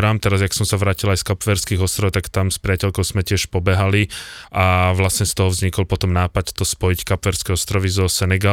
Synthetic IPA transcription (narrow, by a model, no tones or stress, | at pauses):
ɾamt̪ɛɾazaksɔmsaʋɾaːcilajskapʋɛɾskiɣɔst̪ɾɔʊt̪akt̪amspɾiacɛʎkɔʊz̥mɛcɪɛʃpɔbɛɦaliaʋlasɲɛst̪ɔɦɔvzɲikɔlpɔt̪ɔmnaːpact̪ɔspɔjickapʋɛɾskɛɔst̪ɾɔʋizɔsɛnɛɡa